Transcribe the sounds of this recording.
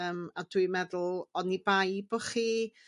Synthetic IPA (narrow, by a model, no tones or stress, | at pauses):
əːmadwɨmɛðʊlˠɔnibajbɔχiː